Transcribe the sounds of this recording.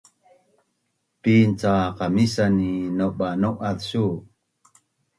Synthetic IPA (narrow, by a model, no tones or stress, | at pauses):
pint͡saqamisaninoɓanoʔaðsu